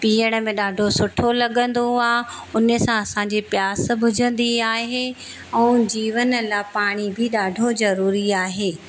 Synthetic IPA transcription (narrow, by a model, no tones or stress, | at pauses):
piːəɽ̃ə̆mẽɗaːɖʱosʊʈʰolɐɠə̃nd̪oaːʊnə̆sãɐsãɲd͡ʑepjaːs̆bʱʊd͡ʑʱə̃nd̪iaːɦe | ɛ̃ːd͡ʑiːʋənəlapaːɽ̃ibʱɪɗaːɖʱozɐɾuːɾiaːɦeː